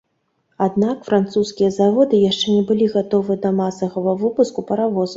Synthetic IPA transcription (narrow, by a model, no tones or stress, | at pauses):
ad̪̚nakfɾant̪suskʲijɐzavɔd̪ɨjaʂt͡ʂɛnʲɛbɨlʲiɣat̪ɔvɨɐd̪ɐmasɐɣɐvɐvɨpuskupʲɐɾavɔzɐ